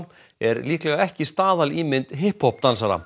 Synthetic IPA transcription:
ɛɾliːklɛɣaɛhcɪst̪aːðaliːmɪnt̪ɦɪhphɔp̚t̪ansaɾa̰

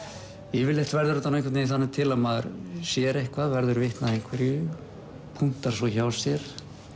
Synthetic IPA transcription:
ɛvɪlɛht̪vɛɾðʏɾt̪anːẽŋkʰvat̪nejiθanːɪt̪ʰɪlamaðɾsjɛɾejhkʰvaðvɛɾðʏɾvɪht̪naðejŋ̥kʰvɛɾjʏ | pʰuŋ̥t̪aɾ̥svɔçawsjɛɾ̥

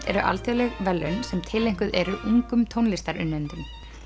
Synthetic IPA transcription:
t̪ɛɾʏʔa̰lt̪ʰalɛɣvɛlːʏnsɛmt̪ʰɪlejŋ̥kʏðɛɾʏʔuŋkʏmt̪ʰownlɪst̪aɾʏnːɛnt̪ʏm

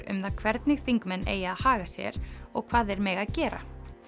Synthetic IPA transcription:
ɾʏ̰mθaðkʰvɛɾt̪nɪɣθiŋkmɛnːḛːjaːðhaːɣasjɛ̰ɾ̥ɔɣkʰv̥aːðɛɾmɛɣaðcɛːɾa̰

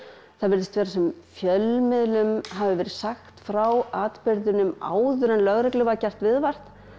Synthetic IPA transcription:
θaðvɛɾðɪst̪vɛːɾasɛmfjœlmɪðlʏmɦavɪvɛːɾɪ̥saxt̪fɾawaːt̪pɪɾðʏnʏma̰ːwðʏɾɛnlœɣɾɪklʏvacɛr̥t̪vɪðvar̥t̪

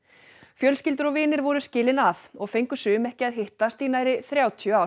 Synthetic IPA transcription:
fjœlscɪlt̪ʏɾɔɣvɪːnɪɾvɔɾʏscɪːlɪnaθɔɣfejŋkʏ̥sʏːʏmɛhcɪaðɦɪht̪ast̪iːnajɾɪθɾjaːwt̪ʰjʏaw

